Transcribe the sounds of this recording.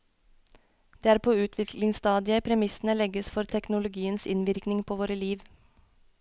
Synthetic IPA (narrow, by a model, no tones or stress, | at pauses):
d̪̥ææːɾpʰoːʉːt̪ʰʋɪkʰlɪŋst̪ɑːd̪ɪəpʰɾɛmɪsn̩əlɛɡəsfɔɾt̪ʰɛknʊlʊɡiːənsɪnʋɪɾknɪŋpʰoːʋoːɾəliːʋ